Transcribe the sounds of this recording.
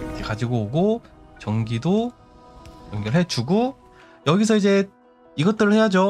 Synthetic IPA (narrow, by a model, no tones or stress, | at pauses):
kʰekad͡ʑiɡoːɡo | t͡ɕʌŋɡido | jʌŋɡiɾɯɭɦet͡ɕuɡo | jʌɡisʰʌid͡ʑe̞ | iɡʌt̚t͈ɯɾɯɭhead͡ʑo